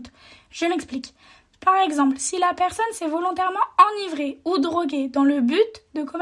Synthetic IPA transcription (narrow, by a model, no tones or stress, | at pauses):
t̪ | ʒ̥əmɛksplik | paʁɛɡzɑ̃plsilapɛʁsɔnsɛvɔlɔ̃t̪ɛʁmɑ̃ɑ̃nivʁeud̪ʁɔɡʲed̪ɑ̃ləbyt̪d̪əkɔm